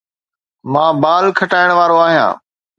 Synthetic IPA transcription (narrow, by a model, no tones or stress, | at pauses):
mãːbaːlkʰəʈaːɪɽ̃ʋaːɾoaːɦijã̰ː